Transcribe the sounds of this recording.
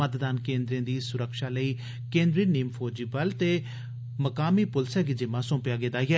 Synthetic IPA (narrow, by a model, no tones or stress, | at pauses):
ət̪d̪aːnkẽːnd̪ɾẽːd̪iːsʊɾəkʃaːləiː | kẽːnd̪ɾiːniːmfʰoːd͡ʒiːbəlt̪eː | məkaːmiːpʊlsɛːɡid͡ʒɪmãːsõːmpjaːɡɪd̪aːiɛː